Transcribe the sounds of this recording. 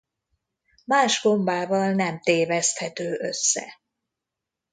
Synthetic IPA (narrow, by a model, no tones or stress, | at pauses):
maːʒɡo̞mbaːvɒlnɛmt̪eːvɛst̪hɛt̪øːʔø̞sːɛ̰